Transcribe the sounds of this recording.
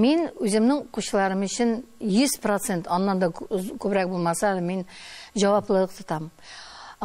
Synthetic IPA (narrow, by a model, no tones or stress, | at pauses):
menɵzɪmnɪŋoquʃəlˠɑɾəmyt͡ʃʰɪnjyz̥pɾot̪sent̪ɑnːɑnd̪ɑkʲʰɵbɾɛk̚bolˠmɑsɑlɪmenʒɑwɑplˠəəqt̪ʰɨt̪ʰɑm